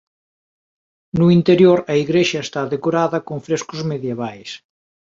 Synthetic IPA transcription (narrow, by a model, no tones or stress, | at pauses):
nuint̪eɾjoɾɐiɣɾeʃɐest̪aðekoɾaðɐkoɱfɾeskʊzmeðjeβ̞ajs